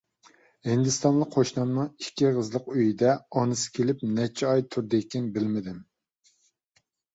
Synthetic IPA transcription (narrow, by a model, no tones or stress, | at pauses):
hɪnd̪ɪst̪ɑnlˠəkqʰoʃnɑmnɨŋikʲːiʁəzlˠəqøjid̪ɛɑnɨsɪ̥kʲʰelɪp̚nɛt͡ʃʰɛɑjt̪ʰuɾd̪ekʲɪnbɪlmɪd̪ɪm